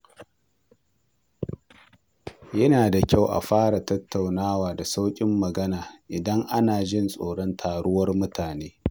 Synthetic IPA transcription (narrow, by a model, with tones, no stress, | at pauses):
jɐ˦naː˨da˨kʲa˦˨wʔa̰˨ɸaː˦ɽa˨tɐ˦tʰːa˨wnaː˦waː˨da˨sa˦wkʲʼɪ˦mːɐ˨ɡɐ˦naː˨ʔɪ˨dɐ˦ŋʔa˦naː˨ʒɪ˦nsʼoː˨ɽɔ˦ntʰaː˨ɽʊ˦wɐ˦rmʊ˦taː˨neː˦